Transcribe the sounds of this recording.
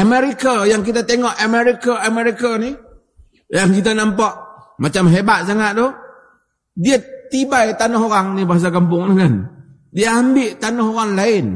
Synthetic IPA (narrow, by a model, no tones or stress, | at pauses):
ʔamɛɾikajaŋk̬it̪at̪eŋɔʔamɛɾikaameɾikani | jaŋkit̪̬anampaʔ | mat͡ʃamɦebat̪̚s̬aŋat̪̚d̪ɔ | diat̪ibajt̪anɔɦoɣaŋnibaɦas̬akamp̬ʊŋnəŋan | diaambɪʔt̪anɔɦoɣaŋlaɪn